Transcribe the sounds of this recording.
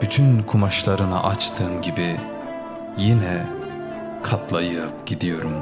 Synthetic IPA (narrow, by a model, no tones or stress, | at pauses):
b̥yt̪ʰynkʰumaʃlˠaɾɯna̰ʔat͡ʃt̪ʰɯːmɟibi | jinɛ | kʰat̪ʰlˠajɯpɟid̪ijo̞ɾum